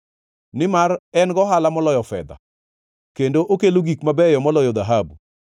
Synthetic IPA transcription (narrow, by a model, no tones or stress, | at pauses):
nɪmarɛnɡɔɦalamɔlɔjɔfɛ̰d̪a̰ | kendoʔokeloɡikmabɛjɔmɔlɔjɔd̪aɦabu